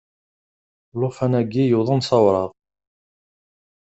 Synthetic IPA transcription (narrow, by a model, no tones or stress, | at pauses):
lofænæɡijuðˤənsɑwɾˤɑʁ